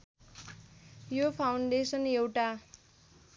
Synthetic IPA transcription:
jopʰawɳɖesʌnewʈa

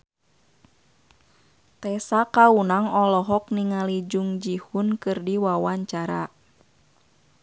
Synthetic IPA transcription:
t̪ɛsakaunaŋɔlɔɦɔk̚niŋalid͡ʒuŋd͡ʒihunkɨrdiwawaɲt͡ʃaɾa̰

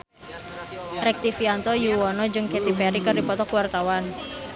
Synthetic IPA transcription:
ɾɛk̚t̪ifiant̪ɔjuwɔnɔd͡ʒɨŋket̪ipɛɾikɨrdipɔt̪ɔkuwart̪awan

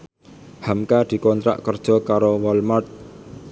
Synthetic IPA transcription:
hamkad̪̥i̤kɔnt̪ɾa̰ʔkərd̥ʒ̥ɔ̤kaɾowɔlmɔt̪̚

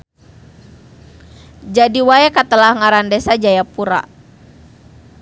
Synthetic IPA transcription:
d͡ʒadiwaɛkat̪əlahŋaɾandɛsad͡ʒajapuɾa̰

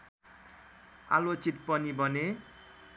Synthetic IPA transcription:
a̰lot͡sit̪̚pʌnibʌne

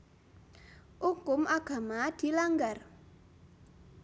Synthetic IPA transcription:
ʔukʊmʔaɡ̥a̤mad̪̥i̤laŋɡar

